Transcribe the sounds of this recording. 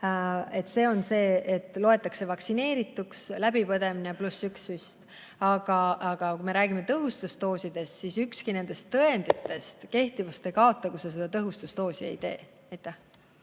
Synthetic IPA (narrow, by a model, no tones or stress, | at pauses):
e̞t̪ːˑse̞ːo̞nse̞ːet̪ːˑlo̞e̞t̪ːˑɑkse̞vɑksine̞ːɾit̪ːˑukslæb̥ipɤd̪e̞mineplusyksyst̪ | ɑɡ̥ɑʔɑɡ̥ɑkumeɾæːɡ̥imet̪ɤɦust̪ust̪o̞ːsid̪̥e̞st̪sisykskine̞nd̪̥e̞st̪ːɤe̞nd̪̥it̪ːˑe̞st̪ke̞ht̪ivust̪e̞kɑo̞t̪ːˑɑkusese̞d̪̥ɑt̪ɤɦust̪ust̪o̞ːsiḛjt̪e̞̰ː | ɑjt̪ːˑæh